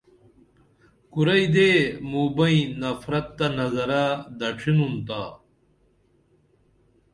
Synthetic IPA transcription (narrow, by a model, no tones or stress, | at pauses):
kuɾɐid̪eːmuːbɐĩnɐfɾɐt̪ːɐnɐzɐɾad̪ɐʈ͡ʂʰinunt̪aː